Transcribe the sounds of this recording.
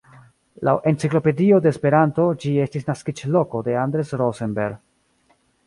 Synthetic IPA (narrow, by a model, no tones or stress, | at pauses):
lawʔe̞nt͡siklo̞pe̞dio̞de̞ːspe̞ɾanto̞d͡ʒie̞stisnaskit͡ʃlo̞ko̞de̞andɾe̞sɾosenbe̞ɾɡ